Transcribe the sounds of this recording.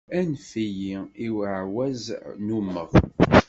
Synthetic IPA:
ænfijiiwəʕwæznumːəʁ

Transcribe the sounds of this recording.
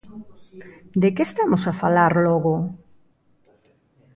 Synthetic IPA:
d̪ekeːst̪amosafalaɾlɔɣʊ

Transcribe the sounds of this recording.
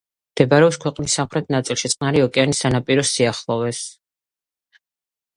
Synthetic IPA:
md̪̥ɛbaɾɛɔpskʰwɛqʼnisːamχɾɛt̪̚ʰnat̪sʼilˠʃit̪sʼqʼnaɾiɔkʼɛanisanapʼiɾɔsiaχlˠɔvɛs

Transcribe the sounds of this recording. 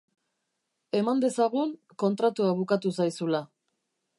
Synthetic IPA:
e̞mand̪e̞saɣuŋ | ko̞nt̪ɾat̪uaβ̞ukat̪usajsula

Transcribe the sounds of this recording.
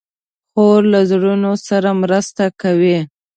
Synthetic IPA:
xoɾlazɽunosaɾamɾəst̪akawi

